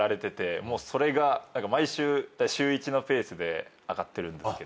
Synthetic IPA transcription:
aɾe̞t̪e̞t̪e̞mo̞ːso̞ɾe̞ɡanãŋkamaiɕɨːt̪aɕɨːit͡ɕino̞pe̞ːsɨd̪e̞ | aɡat̪ːe̞ɾɯ̟̃nd̪esɨked̪o

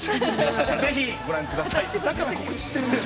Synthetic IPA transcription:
ze̞çiɡo̞ɾãŋkɯ̟d̪asajd̪akaɾako̞kɯ̟t͡ɕi̥ɕi̥t̪eɾɯ̃nd̪e

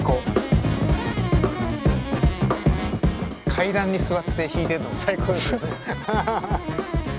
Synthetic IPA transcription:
koː | kʰaid̪ãɲ̟ːisɨβat̪ːe̞çiːt̪e̞ɾɯ̟noɡasaiko̞ːd̪esa

